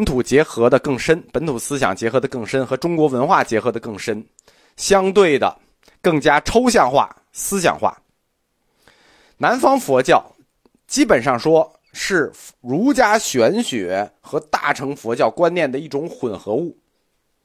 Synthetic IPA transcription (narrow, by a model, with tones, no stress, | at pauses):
pə˧˥nt̪ʰu˨˩t͡ɕjɛ˧˥xɤ˧˥d̪ə˧kɤ˥˩ŋʂə˥npə˧˥nt̪ʰu˨˩sɹ̩˥ɕ̬jɑ̰˨˩ŋt͡ɕjɛ˧˥xɤ˧˥d̪ə˧kɤ˥˩ŋʂə˥nxɤ˧˥ʈ͡ʂʊ˥ŋkwɔ˧˥wə˧˥nxwa˥˩t͡ɕjɛ˧˥xɤ˧˥d̪ə˧kɤ˥˩ŋʂə˥n | ɕjɑ˥ŋt̪̬we˥˩ɪd̪ə̰˩ | kɤ˥˩ŋt͡ɕja˥ʈ͡ʂʰo˥ʊɕjɑ˥˧ŋxwa̰˥˩ | sɹ̩˥ɕ̬jɑ̰˨˩ŋxwa̰˥˩ | na˧˥nfɑ˥ŋfwɔ˧˥t͡ɕjɑ˥˩ʊ | t͡ɕi˥pə˨˩nʂɑ˥˩ŋʂwɔ˥ | ʂɻ̩˥˩ɻu˧˥t͡ɕja˥ɕɥɛ˧˥nɕɥɛ˧˥xɤ˧˥t̪a̰˥˩ʈ͡ʂʰɤ˧˥ŋfwɔ˧˥t͡ɕjɑ˥˩ʊkwa˥njɛ˥˩nd̪ə˩i˥˩ʈ͡ʂʊ˧˥ŋxwə˨˩nxɤ˧˥u˥˩